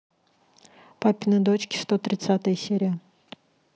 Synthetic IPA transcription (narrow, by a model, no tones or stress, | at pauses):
papʲɪnɨd̪ot͡ɕkʲɪ̥st̪ot̪ɾʲɪt̪sat̪əjəsʲeɾʲɪjə